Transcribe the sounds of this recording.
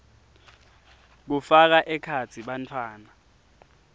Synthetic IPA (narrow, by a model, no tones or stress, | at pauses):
k̬ufak̬aʔɛkʰat͡sʰiɓantʰwaːna